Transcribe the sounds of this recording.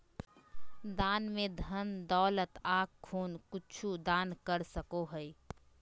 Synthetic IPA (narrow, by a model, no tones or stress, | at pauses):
d̪aːnmẽd̪ʱənd̪ɔːlət̪aːkkʰːuːnkʊt͡ʃʰud̪aːnkəɾsəkoɦəi